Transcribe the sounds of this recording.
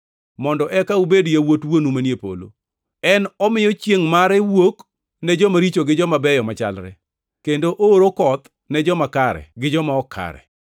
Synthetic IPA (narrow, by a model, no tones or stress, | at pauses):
mɔndɔʔɛkaubedjawotwonumanjepo̰lo̰ | ɛnɔmɪjɔt͡ʃjeŋmaɾɛwok | nɛd͡ʒɔmaɾit͡ʃoɡɪd͡ʒɔmabɛjɔmat͡ʃa̰lɾɛ̰ | kendoʔooɾokɔt̪ | nɛd͡ʒɔmakaɾɛ̰ɡɪd͡ʒɔmaɔkʰa̰ɾɛ̰